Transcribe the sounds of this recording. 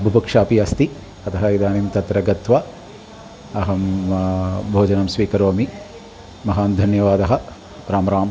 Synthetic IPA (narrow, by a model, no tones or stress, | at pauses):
ɐbʱubɐkʂaːpiɐst̪i | ɐt̪ʰɐɦɐid̪aːnimt̪ɐt̪ɾɐɡɐt̪ʋɐ | ɐɦɐm | bʱoːd͡ʒɐnɐmsʋiːkɐɾoːmi | mɐɦaːnd̪ʱɐnjɐʋaːd̪ɐɦɐ̆ | ɾaːmɐɾaːm